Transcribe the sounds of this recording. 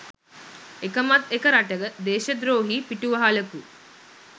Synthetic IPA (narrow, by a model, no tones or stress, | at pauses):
ekəmat̪ekəɾaʈəɡəd̪eːʃəd̪ɾoːɦiːpiʈuʋəɦaləku